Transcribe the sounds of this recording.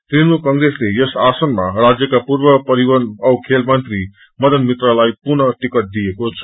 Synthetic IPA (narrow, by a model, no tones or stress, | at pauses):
t̪rinmukʌŋɡɾeslejʌsasʌnmarad͡zjʌkapurbʌpʌɾiwʌnʌwkʰelmʌnt̪ri | mʌd̪ʌnmit̪ralajpunʌʈikʌt̪̚d̪ijekot͡sʰʌ̥